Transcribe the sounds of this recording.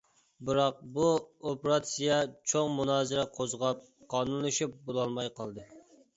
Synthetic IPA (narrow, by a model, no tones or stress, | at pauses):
bɨɾɑq̚buopɾɑt̪sijɑt͡ʃʰoŋmunɑːzɨɾɛqʰozʁɑp̚ | qʰɑːnunlˠɨʃip̚bolˠɑlˠmɑjqʰɑlˠd̪ɨ